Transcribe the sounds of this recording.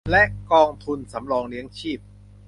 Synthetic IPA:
lɛ˦˥ʔkɔː˧ŋt̪ʰu˧nsa˩˦mɾɔː˧ŋli˦˥əŋt͡ɕʰiː˥˩p̚

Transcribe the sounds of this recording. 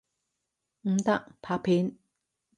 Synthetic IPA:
ŋ̩˦t̪a˦˥˨ʔpʰa˧˥pʰe˨˦n

